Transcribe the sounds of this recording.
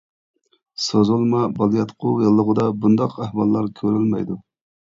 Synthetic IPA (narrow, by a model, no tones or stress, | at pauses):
sozulˠmɑbɑlˠjɑt̪qʰʊjɨlˠːəʁəd̪ɑbund̪ɑqæhwɑlˠːɑɾkʲʰøɾylmɛ̰jd̪u